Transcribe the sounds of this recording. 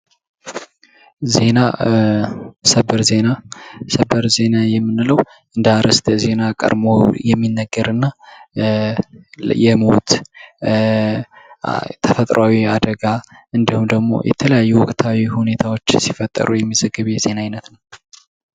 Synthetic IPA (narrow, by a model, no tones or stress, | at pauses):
ze̞na | səbəɾze̞nasəbəɾze̞najɛmːɨnːɨləw | ʔɨnd̪aɾəst̪ʰʼze̞nakʼə̰ɾmojɛmːinːəɡːəɾɨnːa | jɛmo̰t̪ | t̪ʰəfət̪ʼɾawiad̪əɡaʔɨnd̪ihumd̪əɡmo̞̰jʔɛ̰t̪ʰələjajːuwɔkʼt̪ʰawihune̞t̪ʰawo̞t͡ʃːsifət̪ʼːə̰ɾʔujɛmːizəɡɨβjɛze̞naajnət̪nəw